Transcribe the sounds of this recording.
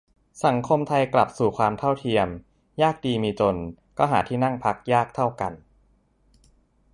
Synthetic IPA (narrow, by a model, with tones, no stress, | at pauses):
sa˩˦ŋkʰo˧mt̪ʰa˧jkla˨˩p̚suː˨˩kʰwaː˧mt̪ʰa˥˩wt̪ʰi˧əm | jaː˥˩k̚diː˧miː˧t͡ɕo˧nkɔː˥˩ɦaː˩˦t̪ʰiː˥˩na˥˩ŋpʰa˦˥k̚jaː˥˩k̚t̪ʰa˥˩wka˧n